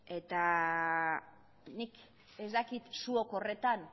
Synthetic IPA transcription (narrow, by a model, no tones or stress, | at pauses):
e̞t̪a | nik | e̞zd̪akit̪suoko̞re̞t̪an